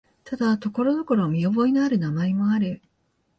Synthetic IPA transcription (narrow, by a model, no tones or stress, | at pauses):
t̪ad̪at̪o̞ko̞ɾo̞no̞ko̞ɾo̞mʲio̞bo̞inaɾɯ̟namaemo̞aɾɯ